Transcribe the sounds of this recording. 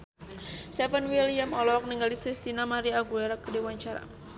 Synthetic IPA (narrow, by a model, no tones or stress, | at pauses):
sɛfənwilijamɔlɔk̚niŋɡalisist̪inamaɾiaɡuɛɾakːdiwaɲt͡ʃaɾa̰